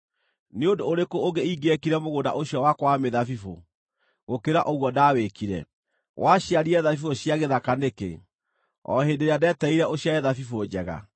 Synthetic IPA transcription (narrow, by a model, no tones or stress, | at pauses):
neodoːɾekooɡeiɡɛkiɾɛmoɣonda̰ʔoɕjɔwakwameðafifo̰ | ɣokeɾaʔoɣwɔdaːwekiɾɛ̰ | wʔaɕjaɾiɛðafifoɕjaɣeðakanekḛ | ɔ̰hendeɾeadɛtɛiɾɛoɕjaeðafifod͡ʑɛɣa̰